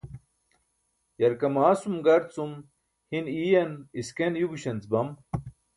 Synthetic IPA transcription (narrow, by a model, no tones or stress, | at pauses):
jɐɾkɐmaːsumɡɐɾt͡sum | hiniːjɐniskenjuɡuɕɐnt͡sbɐm